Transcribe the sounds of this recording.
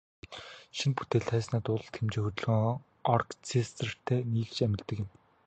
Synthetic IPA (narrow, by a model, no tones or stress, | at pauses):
ʃinput̪eːɮt̪ʰæːsnæːt̪ʊɮə̆ɬt̪xemt͡ɕeːŋxɵt̪̆ɮɣiŋ | ɔrkt͡sʰest̪rə̆r̥t̪ʰeːniːɮt͡ɕæmʲɪ̆ɮt̪ːɘ̆kjə̆m